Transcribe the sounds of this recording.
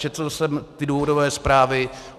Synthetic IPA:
t͡ʃɛt̪solsɛmt̪ɪduːvodovɛːspɾaːvɪ

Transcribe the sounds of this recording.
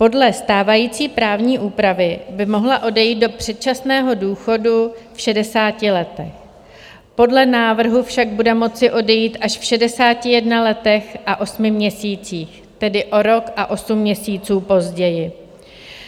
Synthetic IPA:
po̞dlɛst̪aːvajiːt͡siːpɾaːvɲiːʔuːpɾavɪbɪmo̞ɦlaʔo̞dɛjiːt̪̚do̞pr̝̥ɛt̪̚t͡ʃasnɛːɦo̞duːxo̞dufʃɛdɛsaːcɪlɛt̪ɛx | po̞dlɛnaːvr̩ɦufʃaɡ̚budɛmo̞t͡sɪʔo̞dɛjiːt̪ʔaʃfʃɛdɛsaːcɪjɛdnalɛt̪ɛxʔaʔo̞smɪmɲɛsiːt͡siːx | t̪ɛdɪʔo̞ɾo̞kʔaʔo̞sumːɲɛsiːt͡suːpo̞zɟɛjɪ

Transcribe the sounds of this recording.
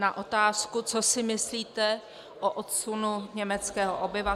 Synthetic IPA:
naʔo̞t̪aːskut͡so̞sɪmɪsliːt̪ɛ | ʔoʔot̪sunuɲɛmɛt͡skɛːɦoʔobɪva

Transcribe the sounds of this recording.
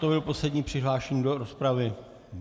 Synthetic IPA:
t̪obɪlpo̞slɛdɲiːpr̥ɪɦlaːʃɛɲiːdoɾospɾavɪ

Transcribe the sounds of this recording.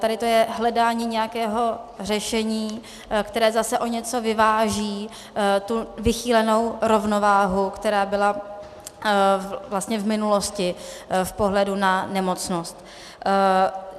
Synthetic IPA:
t̪adɪt̪o̞jɛɦlɛdaːɲiːɲɛjakɛːɦo̞r̝ɛʃɛɲiː | kt̪ɛɾɛːzasɛʔo̞ɲɛt͡so̞vɪvaːʒiː | t̪uvɪxiːlɛno̞wɾo̞vno̞vaːɦukt̪ɛɾaːbɪla | vlast̪ɲɛvmɪnulo̞scɪfpo̞ɦlɛdunanɛmo̞t͡snost̪

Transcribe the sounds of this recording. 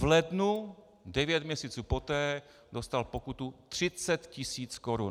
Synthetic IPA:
vlɛdnu | dɛvjɛt̪mɲɛsiːt͡suːpot̪ɛː | dost̪alpokut̪ut̪r̝̥ɪt͡sɛt̪cɪsiːt͡skoɾun

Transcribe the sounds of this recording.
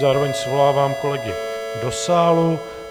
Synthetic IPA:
zaːɾovɛɲsvolaːvaːmko̞lɛɡɪdosaːlu

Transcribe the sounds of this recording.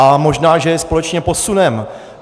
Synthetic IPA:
amo̞ʒnaːʒɛjɛspo̞lɛt͡ʃɲɛpo̞sunɛm

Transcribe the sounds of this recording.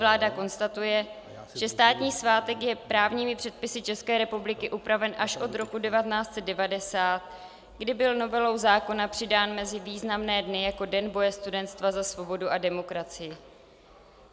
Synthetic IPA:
vlaːdako̞nst̪at̪ujɛ | ʒ̥ɛst̪aːt̪ɲiːsvaːt̪ɛkjɛpɾaːvɲiːmɪpr̥ɛt̪̚pɪsɪt͡ʃɛskɛːɾɛpublɪkɪʔupɾavɛnʔaʃʔo̞t̪ɾo̞kudɛvat̪ɛnaːt͡st̪t͡sɛdɛvadɛsaːt̪̚ | ɡdɪbɪlno̞vɛlo̞wzaːko̞napr̥ɪdaːnmɛzɪviːznamnɛːdnɪjako̞dɛnbo̞jɛst̪udɛnt̪st̪vazasvo̞bo̞duʔadɛmo̞kɾat͡sɪjɪ

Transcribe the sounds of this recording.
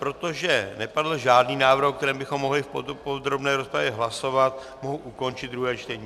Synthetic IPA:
pɾo̞t̪o̞ʒɛnɛpadl̩ʒaːdniːnaːvr̩hk̚t̪ɛɾɛːmbɪxo̞mːo̞ɦlɪfpopod̪ɾo̞bnɛːɾo̞spɾavjɛɦlaso̞vat̪ | moɦuʔuko̞nt͡ʃɪd̪̚d̪ɾuɦɛːt͡ʃt̪ɛɲiː

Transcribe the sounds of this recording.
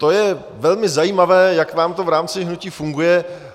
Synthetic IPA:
t̪o̞jɛ | vɛlmɪzajiːmavɛːjakvaːmt̪o̞vɾaːmt͡sɪɦnuciːfuŋɡujɛ

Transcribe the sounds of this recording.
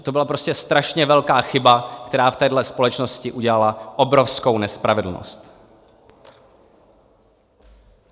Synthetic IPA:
t̪o̞bɪlapɾo̞scɛst̪ɾaʃɲɛvɛlkaːxɪbakt̪ɛɾaːft̪ɛːdlɛspo̞lɛt͡ʃno̞scɪʔuɟɛlalaʔobɾo̞fsko̞wnɛspɾavɛdl̩no̰st̪

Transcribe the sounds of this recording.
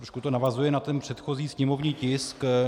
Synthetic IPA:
ɾoʃkut̪o̞navazujɛnat̪ɛnpr̝̥ɛt̪xo̞ziːsɲɛmo̞vɲiːcɪsk

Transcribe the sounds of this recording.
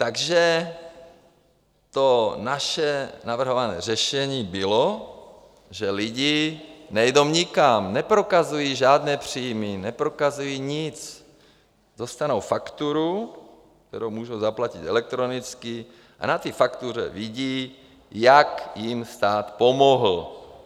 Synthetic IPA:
t̪aɡʒɛ | t̪onaʃɛnavr̩ɦovanɛ̰ːrɛʃɛɲiːbilo | ʒɛliɟinɛjd̪owɲɪkamnɛpɾokazujiːʒaːd̪nɛːpr̝̥iːjminɛpɾokazujiːɲɪt͡s | d̪ost̪anowfakt̪uɾu | k̚t̪ɛɾowmuːʒowzaplacit̪ɛlɛk̚t̪ɾonit͡ski | ʔa̰nat̪iːfakt̪urɛ̰viɟiː | jakjimst̪aːt̪pomoɦl̩

